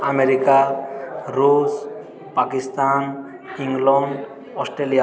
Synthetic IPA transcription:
ameɾika | ɾus | pakist̪an | iŋɡlɔn | ɔsʈɾelija

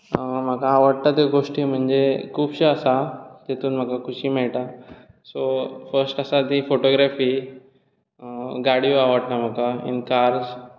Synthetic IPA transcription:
m̤akaːʋəɽt̪at̪eɡoʂʈiːm̤əɳd͡ʑekʰuːbɕeəsat̪et̪uːnm̤akakʰuɕiːmɛɭʈ̪a | sofəɾsʈəsat̪ifoʈoɡɾafiː | ɡaɽjuaʋəɽt̪am̤akaḭnkaɾz

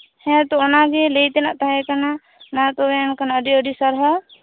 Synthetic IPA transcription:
hɛ̃t̪ɔɔnaɡɛlɛjt̪ɛnaʔt̪aɦɛkana | nat̪ɔɛnkanaəɖiəɖisaɾɦɔ

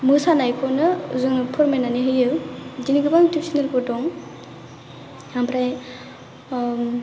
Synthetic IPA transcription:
mɯsanajkʰɔnɯṵzɯŋnɯpʰɔɾmenaniɦɯjɯd͡ʒiniɡɯbaŋtipsinelkɔdɔŋ | hampʰɾaj

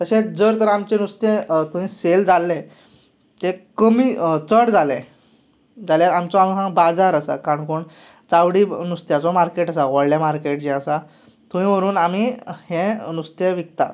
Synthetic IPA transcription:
t̪əɕẽd͡zəɾt̪əɾamt͡ɕẽnust̪ẽt̪uʋĩseld͡zalːɛ̃ | t̪ekəmiːt͡səɽd͡zalɛ̃ | d͡zaljaɾamt͡sɔamsãbad͡zaɾəsa̰kaɳkoɳ | t͡sawɽiːnust̪jat͡sɔmaɾkeʈasaʋɔɭljamaɾkeʈd͡ʑɛ̃əsa | t̪ũʋĩm̤əɾuːnamihɛ̃nust̪eʋikt̪a̰t̪

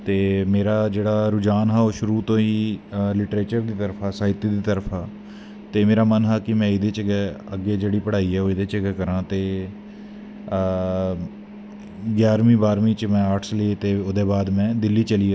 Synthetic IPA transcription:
t̪eːmeːɾaːd͡ʒeːɽaːɾʊd͡ʒaːnɦaːoːʃʊɾuːt̪õːiːlɪʈɾeːt͡ʃəɾd̪iːt̪əɾpʰaːsaːɪt̪iːd̪iːt̪əɾpʰaː | t̪eːmeːɾaːmənɦaːkɪmɛ̃ːɪd̪eːt͡ʃəɡɛːəɡeːd͡ʒeːɽiːpəɽaːiːɛːoːɪd̪eːt͡ʃəɡɛːkəɾãːt̪eː | ɡjaːɾmĩːbaːɾmĩːt͡ʃmɛ̃ːaːɾʈʰsleːt̪eːʊd̪eːbaːd̪mɛ̃ːd̪ɪlːiːt͡ʃəliːa

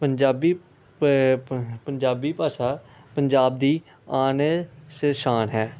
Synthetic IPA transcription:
pənd͡ʒaːbiː | pəɲd͡ʒaːbiːpaːsaː | pəɲd͡ʒaːbd̪iː | aːneseʃaːnɦɛː

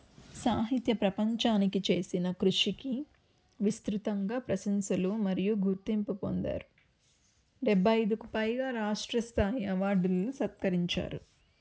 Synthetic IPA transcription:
saːɦit̪jɐpɾɐpɐɲt͡ʃaːnikit͡ʃe̞ːsinɐkɾuʂiki | ʋist̪ɾut̪ɐŋɡaːpɾɐsɐnsɐlumɐɾijuɡuɾt̪impupo̰nd̪a̰ːɾu | ɖɛbʱːɐjd̪ukupɐjɡaːɾaːʂʈɾɐst̪ʰaːjiɐʋaːɾɖulːusɐt̪kɐɾiɲt͡ʃa̰ːɾu

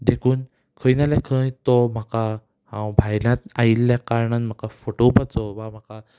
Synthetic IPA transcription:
d̪ekʰuːn | kʰəjnalakʰə̃jt̪ɔm̤aka | hãwbʱajlãt̪ailːjakaɾɳanm̤akafoʈopat͡sɔʋam̤aka

